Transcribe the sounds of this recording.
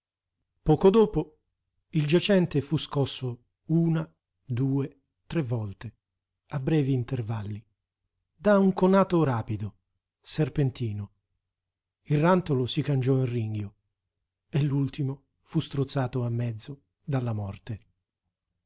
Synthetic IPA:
pɔːkod̪oːpo | ild͡ʒat͡ʃɛnt̪efuskɔsːo | uːna | d̪uːe | t̪ɾevːɔlt̪e | abːɾɛːviːnt̪ervalːi | d̪auŋkonaːt̪oɾaːpid̪o | serpent̪iːno | ilrːant̪olosikand͡ʒɔinriŋɡjo | elːult̪imo | fust̪ɾut̪sːaːt̪oamːɛd̪zːo | d̪alːamɔrt̪e

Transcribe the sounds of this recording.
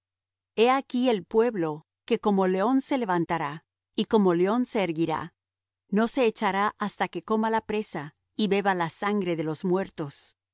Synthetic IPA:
e̞akie̞lpwe̞βlo̞ | ke̞ko̞mo̞le̞o̞nse̞le̞βant̪aɾa | iko̞mo̞leo̞nse̞ːɾɣiɾa̰ | no̞se̞ːt͡ʃaɾaʔast̪ake̞ko̞malapɾe̞sa | iβe̞βalasaŋɡɾe̞ðe̞lo̞zmwe̞ɾt̪o̞s

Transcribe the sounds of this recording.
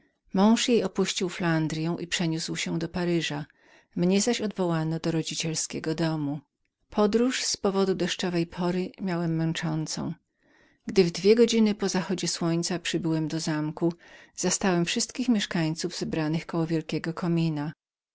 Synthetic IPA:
mɔ̃w̃ʂjejɔpuɕt͡ɕiwfland̪ɾʲjɛ̃w̃ʔipʂɛɲuswɕɛd̪ɔpaɾɘʐa | mɲɛzaɕɔd̪vɔwanɔd̪ɔɾɔd͡ʑit͡ɕɛlskʲɛɡɔd̪ɔmu | pʰɔd̪ɾuʂspɔvɔd̪ud̪ɛʂt͡ʂɔvɛjpʰɔɾɘmʲjawɛmːɛ̃nt͡ʂɔnt̪sɔ̰̃w̃ | ɡd̪ɘvd̪vʲjɛɡɔd͡ʑinɘpɔzaxɔd͡ʑɛswɔɲt̪sapʂɘbɘwɛmd̪ɔzamkuz̥ast̪awɛmfʂɘst̪kʲixmʲjɛʂkaɲt̪suvzɛbɾanɘxkɔwɔvʲjɛlkʲɛɡɔkʰɔmʲina

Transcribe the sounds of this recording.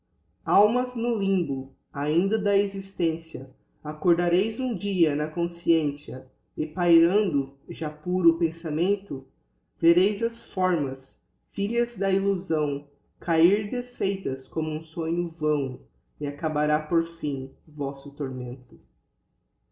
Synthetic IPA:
awmɐznʊlĩbʊ | aĩnd̪ɐd̪ɐezist̪ẽsjɐ | akoɾd̪aɾejzũd͡ʒiɐnɐkõsiẽsiɐ | ɪpajɾɐ̃nd̪ʊʒapuɾʊpẽsamẽnt̪ʊ | veɾejzɐsfɔɾmɐs | fiʎɐzd̪ɐiluzɐ̃w̃ | kʰaiɾd̪esfejt̪ɐskõmʊũsõɲʊvɐ̃w̃ | ɪakabaɾapoɾfĩvɔsʊt̪oɾmẽnt̪ʊ

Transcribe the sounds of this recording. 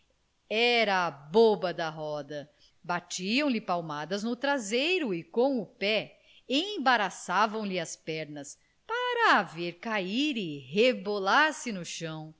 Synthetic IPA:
ɛɾɐːbobɐd̪ɐɦɔd̪ɐ | bat͡ʃiɐ̃w̃lɪpawmad̪ɐznʊt̪ɾazejɾʊɪkõw̃ʊpɛ | ẽjbaɾasavɐ̃w̃lɪɐspɛɾnɐs | paɾɐːveɾkaiɾɪɦebolaɾsɪnʊʃɐ̃w̃

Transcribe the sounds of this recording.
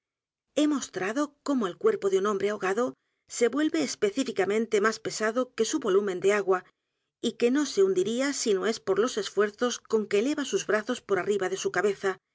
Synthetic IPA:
e̞mo̞st̪ɾaðo̞ko̞moelkwe̞ɾpo̞ðeunõ̞mbɾeaoɣaðo̞ | se̞βwe̞lβe̞ːspe̞θifikamẽnt̪e̞maspe̞saðo̞ke̞suβo̞lumend̪e̞aɣwa | ike̞no̞se̞und̪iɾiasinoe̞spo̞ɾlo̞se̞sfwe̞ɾθo̞sko̞ŋke̞le̞βasuzβɾaθo̞spo̞ɾariβaðe̞sukaβe̞θa

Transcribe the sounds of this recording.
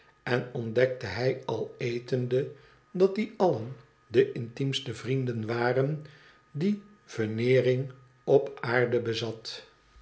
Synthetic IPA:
ɛnɔndɛk̚təɦɛjɑlˠejtəndə | dɑt̚d̪iɑlən | dəʔɪntimstəvrindənʋaːrən | di | v̥ənɪːrɪŋ | ɔpaːɹdəbəzɑt

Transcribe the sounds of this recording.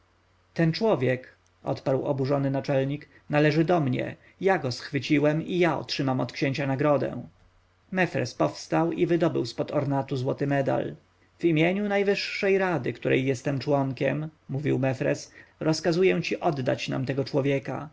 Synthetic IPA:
t̪ɛnt͡ʂwɔvʲjɛk | ʔɔ̰t̪paɾwɔ̰buʐɔnɘnat͡ʂɛlɲik | nalɛʐɘd̪ɔmɲɛ̰ | jaɡɔsxfɘt͡ɕiwɛmijaɔ̰tʂɘmamɔt̪kɕeɲt͡ɕanaɡɾɔd̪ɛ̰̃ | mɛfɾɛ̰spɔfst̪awivɘd̪ɔbɘwspɔd̪ɔɾnat̪uzwɔt̪ɘmɛd̪a̰l | v̥imʲjeɲunajvɘʂːɛjɾad̪ɘkt̪uɾɛ̰jːɛst̪ɛmt͡ʂwɔŋkʲɛmːuvʲiwmɛfɾɛ̰sɾɔskazujɛ̃t͡ɕiʔɔd̪ːa̰t͡ɕna̰mt̪ɛɡɔt͡ʂwɔvʲjɛka̰

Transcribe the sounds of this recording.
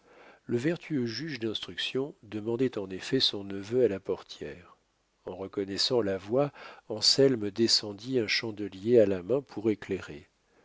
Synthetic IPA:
ləvɛʁt̪ʰyøʒyʒd̪ɛ̃st̪χyksjɔ̃d̪əmɑ̃d̪ɛt̪ɑ̃nefɛsɔ̃nəvøalapɔʁt̪jɛ̰ːʁ | ɑ̃ʁəkɔnɛsɑ̃lavwaɑ̃sɛlməd̪esɑ̃d̪iɛ̃ʃɑ̃d̪əljealamɛ̃pʰuʁekleʁe

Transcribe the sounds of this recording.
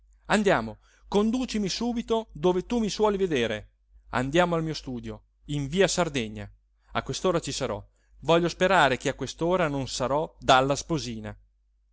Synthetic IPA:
and̪jaːmo | kond̪uːt͡ʃimisuːbit̪od̪oːvet̪umiswɔːlived̪eːɾe | a̰nd̪jaːmoalmiːost̪uːd̪jo | iɱviːasard̪ɛɲːa̰ | akwest̪oːɾat͡ʃisaɾɔ | vɔʎːospeɾaːɾekeakwest̪oːɾanonsaɾɔd̪alːaspoziːna̰

